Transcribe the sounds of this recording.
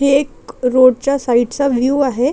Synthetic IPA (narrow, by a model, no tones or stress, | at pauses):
ekɾoːɖ̚t͡ɕasaiʈsaʋjuaɦe